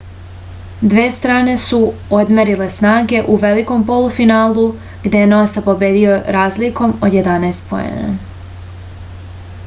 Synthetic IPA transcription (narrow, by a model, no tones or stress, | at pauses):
d̪ʋeːst̪ɾaːne̞suod̪meɾile̞snaːɡe̞ʔuʋe̞liko̞mpo̞lufinaːlˠu | ɡd̪ejenoasepo̞be̞ːd̪io̞ɾaːzliko̞mod̪je̞d̪anajst̪po̞̰ḛna̰